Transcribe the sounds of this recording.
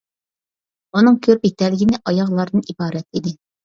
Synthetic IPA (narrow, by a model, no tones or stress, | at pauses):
unɨŋkʲʰøɾpet̪ɛlɪɡʲinɪʔɑjɑʁlˠɑɾd̪ɨnibɑːɾɛt̪id̪ɪ